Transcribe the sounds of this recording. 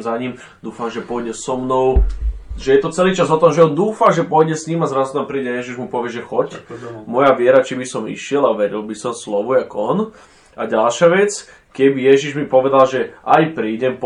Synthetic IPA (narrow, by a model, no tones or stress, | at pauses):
mzaɲim | d̪uːfamʒɛpɔjɟɛsɔmnɔʊʒɛjɛt̪ɔt͡sɛliːt͡ʃazɦɔt̪ɔmʒɛɔnd̪uːfaʒɛpɔjɟɛsɲimazɾazut̪ampɾiːɟɛjɛʒiʒmupɔʋɪɛʒɛxɔcmɔjaʋɪɛɾat͡ʃibisɔmḭʃɪɛlaʋɛɾilbisɔmslɔʋujakɔn | aɟalʃaʋɛt͡s | kɛbijɛʒiʒmipɔʋɛd̪alʒɛʔajpɾiːɟɛmp